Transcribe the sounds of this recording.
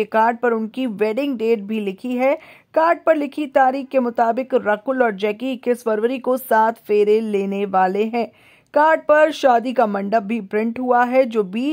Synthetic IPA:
ekaːɾɖ̚pɐɾʊnkiʋɛːɖɪ̃ŋɡɖeːʈ̚bʱilɪkʰiɦɛ | kaːɾɖ̚pɐɾlɪkʰit̪aːɾiːxkemʊt̪aːbɪkɾɐkʊlɔːɾd͡ʒɛːkikeswəɾʋəɾikosaːt̪ʰfeːɾeleːneʋaːleɦɛ̃ː | kaːɾɖ̚pɐɾʃaːd̪ikamɐ̃ɳɖəb̚bʱipɾɪ̃ɳʈɦuaɦɛd͡ʒoːbiː

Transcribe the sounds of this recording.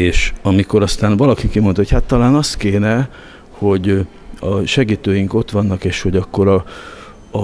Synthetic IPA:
eːʃɒmiko̞ɾɒst̪aːnʋɒlɒkikimo̞nt̪ɒɦochat̪ːɒlaːnɒst̪keːnɛ | ho̞ɟ | ɒʃɛɡiːt̪øːjiŋko̞t̪ʋɒnːɒkeːʃho̞ɟɒkːo̞ɾɒ

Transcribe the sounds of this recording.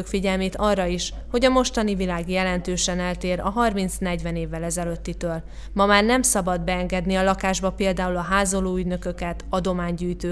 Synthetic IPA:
kfiɟɛlmeːt̪ɒrːɒiʃ | ho̞ɟɒmo̞ʃt̪ɒnivilaːɡjɛlɛnt̪øːʃɛnɛlt̪eːɾɒɦɒrmint̪snɛɟʋɛneːvːɛlɛzɛløt̪ːit̪øːl | mɒmaːrnɛmsɒbɒd̪bɛɛŋɡɛd̪niɒlɒkaːʒbɒpeːld̪aːulɒɦaːzoloːyɟnø̞kø̞kɛt̪ɒd̪o̞maːɲɟyːjt̪øː

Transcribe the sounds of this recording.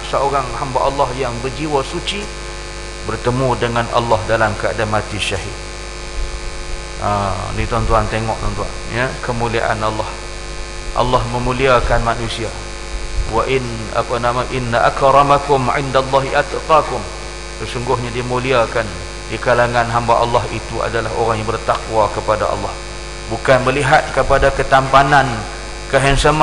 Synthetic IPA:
səoɾaŋhambaʔalːɑhjaŋbərd͡ʒiwasut͡ʃi | bərt̪əmũdəŋanʔa̰lːɑhdalamkəa̰damat̪iʃaɦḭd̪̚ | anĩt̪ɔnt̪uant̪eŋɔʔ̚t̪ɔnt̪ua̰njakəmulia̰ʔa̰nalːɑh | ʔa̰lːɑhməmuliakanmanũsia | waʔɪn | a̰panamaʔɪnːaʔa̰kɾɑmakʊmʕɪndalːɑɦiʔat̪qɑkʊm | səsuŋɡʊɦɲadimuliakan | dikalaŋanɦambaʔɑlːɑɦit̪ua̰dalaɦo̰ɾaŋjaŋbərt̪akwakəpadaʔɑ̰lːɑh | bukanməliɦat̪̚kəpadakət̪ampanan | kəɦɛnsəm

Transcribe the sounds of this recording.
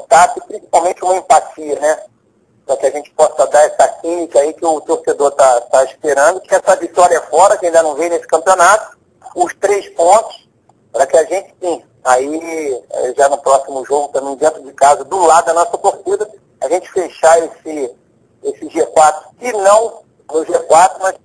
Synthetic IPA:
t̪asɪpɾĩsi̥pawmẽnt͡ʃɪũmɐẽpat͡ʃiɐnɛ | pɾɐkɪaʒẽnt͡ʃɪ̥pɔsɐd̪aɛsɐkĩnikɐaikɪʊt̪oɾsed̪oɾt̪at̪aiʃpeɾɐ̃nd̪ʊkɪɛsɐvit̪ɔɾjɐɛfɔɾɐkɪaɐĩd̪ɐnɐ̃w̃vẽj̃nesɪ̥kɐ̃mpionat̪ʊ̥ | ʊʃt̪ɾejspõnt̪ʊ̥s | pɾɐkɪaʒẽt͡ʃɪ̥t̪ẽj̃ | aiɛ̰ʒanʊpɾɔsimʊʒoɡʊt̪ɐ̃mẽj̃d̪ẽnt̪ɾʊd͡ʒɪkazɐd̪ʊlad̪ʊd̪ɐnɔsɐk̪oɾt̪id̪ɐ | aʒẽnt͡ʃɪ̥feʃaesɪ | esɪʒekwat̪ɾʊ̥sɪnɐ̃w̃ | nʊʒekwat̪ɾʊmas

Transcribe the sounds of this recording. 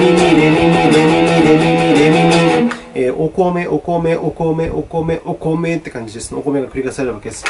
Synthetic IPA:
iɲiɾemimiɾemimiɾemimiɾemimio | eʔokome̞ʔokomeʔokomeʔokomeʔokome̞t̪ːe̞kãɲ̟d͡ʑid̪e̞sɨneokome̞ɡakɯ̟ɾʲiɡasaɾeɾɯβake̞d̪esɨ̥

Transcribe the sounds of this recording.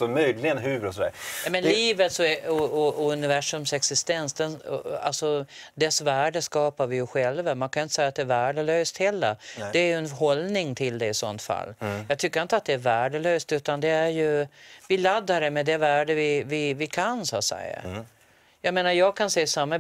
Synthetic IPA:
sɔmœjlɪɡənɦʉ̟ːɾɔsɔd̪æ̰ːɾɛmɛnlliːvət̪sɔɔɔɔɵnɪvæʂɵmsɛksɪst̪ɛnsd̪ɛnɔ̰a̰lsɔ | d̪ɛsvæːɖəskɑːpaɾvɪjʊɧɛlvamankʰanjʊɪnt̪ə̥sɛjːat̪̚d̪ɛːɾvæːɖəløːst̪hɛlːə̰d̪ɛːɾjɵɛnɦɔlnɪŋt̪ʰɪld̪ɛɪsɔ̰nt̪fa̰lːjɑːɡ̚t̪ʰʏkːɾɪnt̪əat̪̚d̪ɛæɾvæːɖəløːst̪ʉːt̪and̪ɛæɾjɵvɪlad̪ːaɾɛmɛd̪ɛvæːɖəvɪvɪvɪkʰansat̪sɛ̰jə̰ | jɑːɡmeːnaɾjɑːɡkʰansɛːsamːa

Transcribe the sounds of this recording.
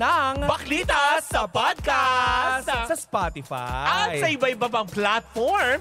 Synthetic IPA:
nɐŋbɐklit̪ɐsɐpad̪̚kasssɐspat̪ɪfa̰ɐtj̪sɐʔɪbɐʔɪbɐpɐŋplat̪̚foɹm

